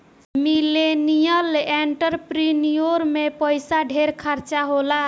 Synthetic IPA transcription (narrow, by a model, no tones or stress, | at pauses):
milenijəleɳʈəɾpɾinijoɾmepəjsaɖʱeɾkʰəɾt͡ʃaɦola